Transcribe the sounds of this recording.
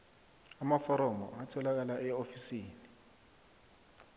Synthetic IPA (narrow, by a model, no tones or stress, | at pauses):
amafɔɾɔmɔ̰atʰɛlak̬alaʔɛofisiːni